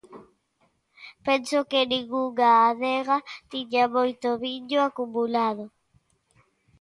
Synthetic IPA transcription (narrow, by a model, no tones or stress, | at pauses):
pensokeniɣuɣaːðeɣat̪iɲamojt̪oβiʎjoakumulaðo